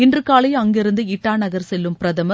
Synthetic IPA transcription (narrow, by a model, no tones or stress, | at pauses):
ɪndrɯkːaːlɐɪɐŋɡɪɾɯnd̪ɯɪʈːaːnɐɣɐɾsɛlːɯmpɪɾɐðɐmɐ